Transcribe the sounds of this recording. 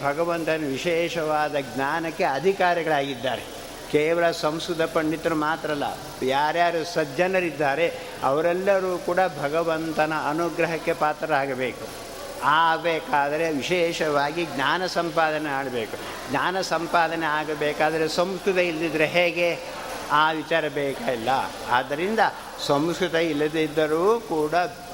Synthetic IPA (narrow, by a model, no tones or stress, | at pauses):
bʱɐɡɐʋɐnt̪ɐnɐʋiʃɛːʃɐʋaːd̪ɐɡɲaːnɐkːe̞ɐd̪ʱikaːɾɐɡɐɭaːɡid̪ːaːɾe | keːʋɐlɐsɐ̃mskɾud̪ʱɐpɐɳɖit̪ːɐɾumaːt̪ɾɐlːɐ̰ | jaːɾjaːɾusɐd͡ʒɐnɐɾid̪ːaːɾe̞ | ɐ̰ʋɐɾɛlːɐɾuːkuːɽabʱɐɡɐʋɐnt̪ɐnɐɐnuɡɾɐɦɐkːe̞paːt̪ɾɐaːɡɐbeːku | aːbeːkaːd̪ɐɾe̞ʋiʃɛːʃɐʋaːɡiɡɲaːnɐsɐmpaːd̪ɐnemaːɽɐbeːku | ɡɲaːnɐsɐmpaːd̪ɐneaːɡɐbeːkaːd̪ɐɾesɐmskɾut̪ɐild̪id̪ːɐɾeɦeːɡe̞ | aːʋit͡ʃaːɾɐbɛːkailːɐ̰ | a̰ːd̪ɐɾind̪ɐ | sɐmskɾut̪ɐilːɐd̪id̪ːɐɾuːkuːɽɐ